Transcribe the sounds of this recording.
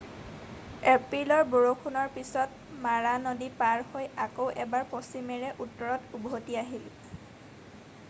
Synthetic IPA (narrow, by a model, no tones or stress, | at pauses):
ɛpɹilɔɹboɹokʰunɔɹpisɔt | maɹanodipaɹhojakowʔɛbaɹposimɛɹɛʔutːɔɹɔtubɦotiaɦil